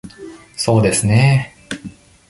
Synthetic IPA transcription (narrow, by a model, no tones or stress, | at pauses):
so̞ːd̪e̞sɨne